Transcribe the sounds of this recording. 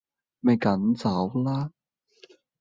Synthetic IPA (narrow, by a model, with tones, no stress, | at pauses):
me˨˧jkɐ˨˥nt͡sɐ˨˥wlaː˦˥